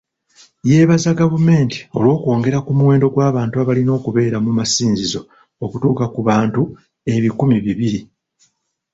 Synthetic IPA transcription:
je̞ːβazaɡavume̞ːnti̥o̞̰lwo̞ːkwo̞ːŋɡe̞ɾakumuwe̞ːndo̞ɡwaːβaːntuaβalino̞ːkuβe̞ːɾamumasiːnzizo̞ | okutuːkakuβaːntu | e̞βikumiβiβiɾi

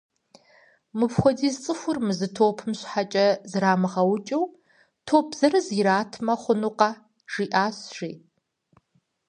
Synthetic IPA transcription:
mɨpxʷɔdiːzt͡sʼɨxʷʊrmɨzɨtʰoːpʰɨmɕħat͡ʃʼɐzɨɾaːmɨʁɐwt͡ʃʼɐw | tʰoːp̚ʰz̥ɐrɨziɾaːtʰmɐχʷʊnuqɑ | ʒ̥iːʔaːsʒiː

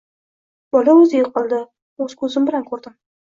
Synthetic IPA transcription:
b̥ɒlaɵzɪjʊqːlˠd̪ɪ | ɵz̥kʰɵzɪmbɪlankʰɵɾd̪ɪm

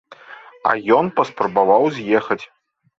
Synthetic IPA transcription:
ɐ̰jɔnpɐspɾɐbavawzʲjɛxɐt͡sʲ

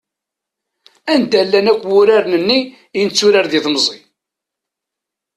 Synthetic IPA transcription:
ænd̪ælːænækʷːwʊɾaɾnənːi | inət͡sːuɾaɾðiθmzˤi

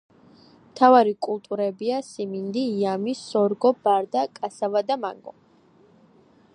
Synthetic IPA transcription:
mt̪ʰavaɾikʼulˠt̪ʼuɾɛbiasimind̪iːamisɔɾɡɔbaɾd̪akʼasavad̪ama̰ŋɡɔ̰

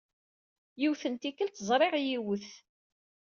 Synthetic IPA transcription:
jiwθənt̪ikːəlt̪əzˤɾˤeʁjiwəθ

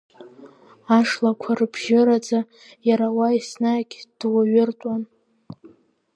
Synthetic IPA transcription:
aʂlakʷʰarɨbʒɪɾad͡za | jaɾawaisnaɡʲd̥waɥɪrtʼan

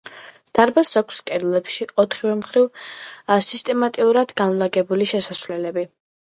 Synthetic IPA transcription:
d̪̥aɾbasakʷʰskʼɛd̪lˠɛpʃiɔt̪ʰχivɛmχɾiv | sist̪ʼɛmat̪ʼiuɾad̪ɡanlˠaɡɛbuliʃɛsasvlɛlɛbi

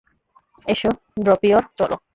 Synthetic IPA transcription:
eʃo | ɖɾopioɾt͡ɕɔlo̰

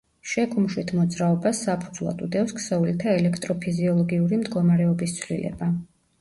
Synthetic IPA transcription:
ʃɛkʰʼumʃwit̪ʰmɔd̪zɾaɔbasːapʰud̪zlˠa̰t̪ʼud̪ɛfskʰsɛulit̪ʰaɛlɛkʰt̪ʼɾɔpʰiziɔlˠɔɡiuɾimd̪ɡɔmaɾɛɔbist̪sʰwlḭlɛ̰ba

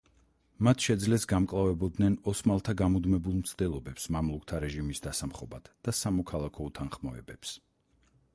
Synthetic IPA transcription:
mat̪ʰʃɛd̪zlɛsɡamkʼlˠavɛbɔd̪nɛnɔsmalˠt̪ʰaɡamud̪mɛbulˠmt̪sʰd̪ɛlˠɔbɛpsmamlˠuk̚t̪ʰaɾɛʒimisd̪asamχɔbat̪ʰd̪̥asamɔkʰalˠakʰɔut̪ʰanχmɔɛ̰bɛps

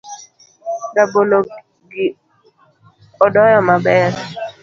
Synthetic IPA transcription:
dabolo | ɡɪ | ɔdɔjɔmabɛɾ

